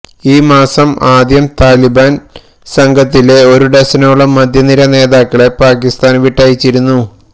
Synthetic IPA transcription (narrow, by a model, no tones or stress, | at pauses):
iːmaːsɐmaːd̪jɐmt̪aːlibaːn | sɐŋɡʱɐt̪ːile̞o̞ɾuɖɐsɐnoɭːɐmːɐd̪ʱjɐniɾɐne̞ːðaːkːɐɭepaːkist̪aːnʋiʈːaːjit͡ɕːiɾunːu